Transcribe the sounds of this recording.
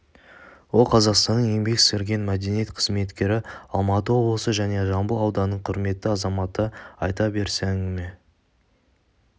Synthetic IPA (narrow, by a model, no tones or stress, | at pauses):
wo̞lˠqʰɑzɑqst̪ɑnːəɴje̞mbe̞kseɾɡʲe̞nmæd̪e̞nijet̪qʰə̥zme̞t̪kʲe̞ɾɪɑlˠmɑt̪əwowosəʒæne̞ʒɑmbəlˠɑwd̪ɑnəɴqʰʊɾme̞t̪ːɪɑzɑmɑt̪əɑjt̪ɑbe̞ɾsæŋme